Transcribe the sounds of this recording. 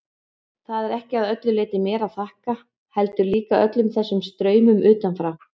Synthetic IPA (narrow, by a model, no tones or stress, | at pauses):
θaðɛɾɛhcɪaðœt̪lʏlɪːt̪ɪmɛːɾaðθahka | hɛlt̪ʏɾliːkaœ̰t̪lʏmθɛsːʏmst̪ɾœːɥmʏmʏːt̪anfɾaw